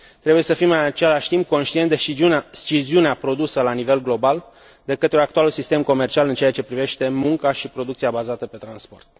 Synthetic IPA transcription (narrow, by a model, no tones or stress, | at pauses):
t̪ɾe̞buje̞səfimɨnat͡ʃe̞laʃt̪imp̚ko̞nʃt̪iend̪et͡ʃiziuneapɾo̞d̪usəlanive̞lɡlo̞bal | d̪e̞kət̪ɾeoakt̪ualusist̪e̞mko̞me̞rt͡ʃialɨnt͡ʃeat͡ʃe̞pɾive̞ʃt̪e̞muŋkaʃipɾo̞d̪uk̪̚siabazat̪əpe̞t̪ɾanspo̞̰rt̪̚